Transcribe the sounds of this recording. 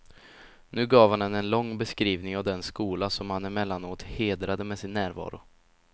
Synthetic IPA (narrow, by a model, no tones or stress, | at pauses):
nʉ̟ːɡɑːvhanɛnɛnlɔŋːbɛskɾiːvnɪŋavd̪ɛnskuːlasɔmhanɛɾmɛlːanoːt̪heːd̪ɾad̪əmɛsɪnːæːɾvɑ̰ːɾʊ̰